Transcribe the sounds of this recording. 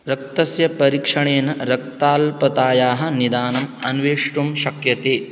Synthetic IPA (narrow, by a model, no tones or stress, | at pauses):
ɾɐk̚t̪ɐsjɐpɐɾiːkʂɐɳeːnɐɾɐk̚t̪aːlpɐt̪aːjaːɦɐ̆nid̪aːnɐmɐnʋeːʂʈumʃɐkjɐt̪eː